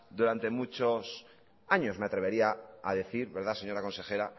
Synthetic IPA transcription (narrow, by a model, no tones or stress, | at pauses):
d̪uɾant̪e̞mut͡ʃos | aɲo̞smeat̪ɾe̞βe̞ɾiaːðe̞θiɾβe̞ɾð̞ase̞ɲo̞ɾako̞nse̞xe̞ɾa